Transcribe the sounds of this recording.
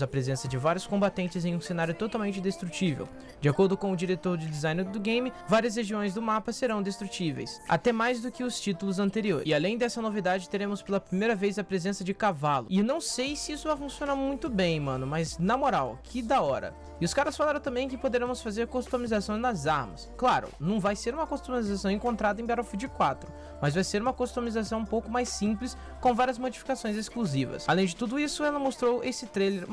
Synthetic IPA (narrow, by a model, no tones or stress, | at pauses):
zɐpɾezẽsɐd͡ʒɪvaɾjʊskõbat̪ẽnt͡ʃɪzẽj̃ũsẽnaɾjʊt̪ot̪aw̃mẽnt͡ʃɪd̪est̪ɾut͡ʃivḛw | d͡ʒɪakoɾd̪ʊkõʊd͡ʒiɾet̪oɾd͡ʒɪd̪izãj̃nɪɾd̪ʊɡẽj̃mɪ | vaɾiɐs̬heʒiõj̃zd̪ʊmapɐseɾɐ̃w̃d̪est̪ɾut͡ʃivḛjsa̰t̪ɛmajzd̪ʊkɪʊst͡ʃit̪ulʊzɐ̃nt̪eɾioɾɪalẽj̃d̪ɛsɐnovid̪ad͡ʒɪt̪eɾẽmʊspelɐpɾimejɾɐvejzɐpɾezẽsɐd͡ʒɪkavalʊ̰ɪnɐ̃w̃sejsɪisʊvajfũsionaɾmũj̃t̪ʊbẽj̃mɐ̃nʊmɐznɐmoɾa̰wkʰɪd̪aɔɾɐ̰ | ɪʊskaɾɐsfalaɾɐ̃t̪ɐ̃mbẽj̃kɪpod̪eɾẽmʊsfazeɾkost̪omizasõj̃nɐzaɾmɐ̰sklaɾʊ̰nɐ̃w̃vajseɾũmɐkost̪omizasɐ̃w̃ẽŋkõnt̪ɾad̪ɐẽj̃bɛɾafid͡ʒɪkwat̪ɾʊ | mɐzvajseɾũmɐkost̪omizasɐ̃w̃ũpowkʊmajsĩplɪs | kõw̃vaɾiɐzmod͡ʒifi̥kasõj̃zeskluzivɐ̰salẽj̃d͡ʒɪt̪ud̪ʊisʊɛlɐmost̪ɾowʔesɪt̪ɾejleɾ